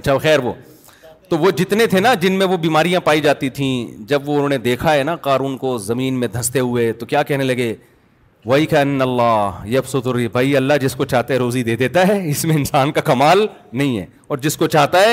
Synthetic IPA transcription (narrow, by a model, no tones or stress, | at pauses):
ɐtːʃʰaɐxɛːɾʋo̰ː | t̪oʋod͡ʒɪt̪net̪ʰenad͡ʒɪnmẽʋobiːmaːɾijãpaːid͡ʒaːt̪it̪ʰĩd͡ʒɐbʋoʊnɦõːned̪eːkʰaɦɛnaqaːɾuːnkozɐmiːnmẽd̪ʱɐst̪eɦʊet̪okjaːkɛɦnelɐɡeː | ʋɐikɐɐnːɐlːaːɦjɐfsʊt̪ʊɾibʱaːiɐlːaɦd͡ʒɪskot͡ʃaːɦt̪aɦɛɾoːzid̪eːd̪eːt̪aɦɛːɪsmẽɪnsaːnkakɐmaːlnɐɦĩɦɛ̰ː | ɔːɾd͡ʒɪskot͡ʃaːɦt̪aɦɛː